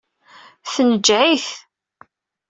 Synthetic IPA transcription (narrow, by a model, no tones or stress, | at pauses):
θənəd͡ʒʕiθ